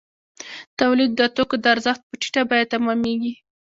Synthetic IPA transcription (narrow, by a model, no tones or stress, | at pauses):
t̪awlid̪ːət̪okod̪əaɾzəxt̪̚pəʈi̥ʈabɑjad̪̚t̪amɑmeɡi